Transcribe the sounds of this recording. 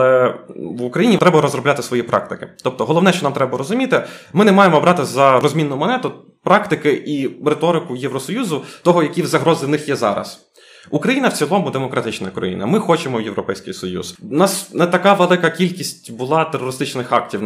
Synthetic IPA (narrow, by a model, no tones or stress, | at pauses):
lˠɛʋʊkɾɐjinʲiɾɛbɐɾɔzɾrɔbʲat̪ɪsʋɔjipɾʔɑ̰k̚t̪ɪkɪt̪ɔp̚t̪ɔɦɔlˠɔʋnɛʃt͡ʃɔnɑmt̪ɾɛbɐɾɔzʊmʲit̪ɪmɪnɛmɑjemɔbɾɑt̪ɪzɐɾɔzʲmʲinːʊjʊmɔnɛt̪ʊ | pɾɑkt̪ɪkɪʔiɾet̪ɔɾɪkʊjɛwɾɔsɔjuzʊt̪ɔɦɔjɐkʲiwzɐɦɾɔzɪwnɪxjɛzɑ̰ɾɐ̰s | ukɾɐjinɐwt͡sʲilˠɔmʊd̪emɔkɾɐt̪ɪt͡ʃnɐkɾɔ̰jḭnɐ̰mɪxɔt͡ʃemɔjewɾɔpɛjsʲkɪjsɔjṵz̥nɑsnɛt̪ɐkɑʋelˠɪkɐkʲilʲkʲisʲtʲbʊlˠɑt̪erɔɾɪst̪ɪt͡ʃnɪxɑktʲiw